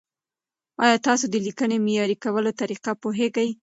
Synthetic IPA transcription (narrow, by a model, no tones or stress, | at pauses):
ɑjɑt̪ɑsod̪əlikənemɪjɑɾikawəlot̪aɾiqapoɦeɡaj